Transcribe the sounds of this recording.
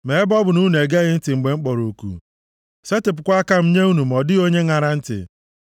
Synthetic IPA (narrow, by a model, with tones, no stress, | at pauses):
me˨e˦bɔ˦bʊ˨nu˦n˨e˨ɡe˦ɣɪ˦n̩˦tɪ˨ŋ͡m̩˨ɡ͡be˨ŋ͡m̩˦k͡pɔ˨ɾo˨kṵ˨ | se˦tɪ˨p̬ʊ˨kʷa˦ka˦m̩˦ɲe˦u˦nu˨m̩ɔ˨dɪ˦o˦ɲe˦ŋa˨ɾa˨n̩˦tɪ̰˨